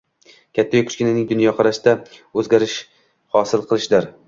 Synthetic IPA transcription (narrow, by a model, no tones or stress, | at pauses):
kʲʰat̪ʰːajʊkʰʊ̥ʃkʲɪnɪnɪŋd̪ʊnjɒqʰɑɾaʃd̪aɵzɡʲaɾɪʃ | hɒsɪlˠqʰɨlˠɪʃd̪ɪɾ